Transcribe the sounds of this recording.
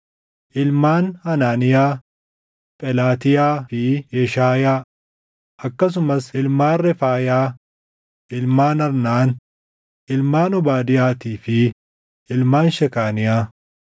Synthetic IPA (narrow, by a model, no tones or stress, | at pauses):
ʔɪlmaːnhɐnaːnɪjaː | pʼɛlaːt̪ɪjaːfɪjɛʃaːjaː | ʔɐkːɐs̬ʊmɐsɪlmaːnrɛfaːjaː | ʔɪlmaːnɐɾnaːn | ɪlmaːnɔbaːd̪ɪjaːt̪iːfɪ | ɪlmaːnʃɛkaːnɪjaː